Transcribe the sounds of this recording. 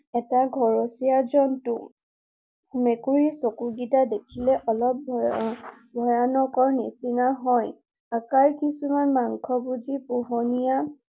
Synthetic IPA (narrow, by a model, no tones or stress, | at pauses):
ɛtaɡʱɔɹosijazɔntʊ | mekuɹisokuɡitadekʰilɛʔɔlɔp̚ | bʱɔjanɔkɔɹnisinaɦɔj | akaɹkisumanmaŋkʰɔbud͡ʒipuɦɔnija